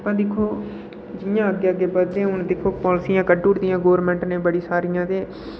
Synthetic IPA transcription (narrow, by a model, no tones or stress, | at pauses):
pãːd̪ɪkʰːoː | d͡ʒɪjãːəɡeːəɡeːpəd̪ẽːʊnd̪ɪkʰːoːpɔːlɪsijãːkəɖuːʈd̪ɪjãːɡoːʋɾmɛ̃ːɳʈnẽːbəɽiːsaːɾɪjãːt̪eː